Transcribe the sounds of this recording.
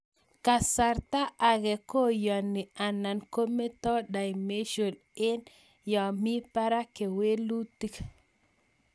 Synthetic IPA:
ka˨sa˨ɾt̪a˦ʔa˨ɣɛ˨ko˦jɔ˨nɪ˨a˨na˨nko˦me˦tɔ˦da˨jme˦ʃo˨l | e˦n | jɔ˨mi˦pa˦ɾa˦ke˨we˦lu˦ti˦k

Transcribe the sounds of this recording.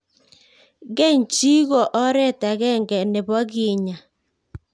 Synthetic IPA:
ɣe˦˨ɲ˨t͡ʃi˦ɣɔ˨ʔɔ˦ɾɛ˦˨ta˨ɣɛ˦˨ŋɡɛ˨ne˨βɔ˦ɣi˨ɲa˨

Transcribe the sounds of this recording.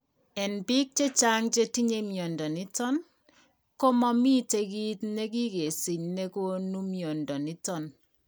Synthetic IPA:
ɛ˨nbi˦k̚t͡ʃe˦t͡ʃa˦ŋt͡ʃe˦ti˦ɲe˦mjɔ˨ndɔ˨ni˦tɔ˦n | ko˦mɔ˦mi˦te˦ki˦tne˦ki˦ke˨si˨ɲne˦ko˦nu˦mjo˨ndɔ˨ni˦tɔ˦n

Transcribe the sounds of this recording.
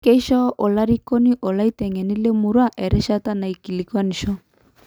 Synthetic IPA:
ke˦i˦ʃɔ˦ʔo˨la˦ɾi˦ko˦ni˦ʔo˨la˦i˦tɛ˨ŋɛ˨ni˦le˦mu˨ɾwa˦ʔɛ˨ɾɛ˦ʃa˦ta˦na˨i˨ki˨li˨kwa˦ni˨ʃɔ˦

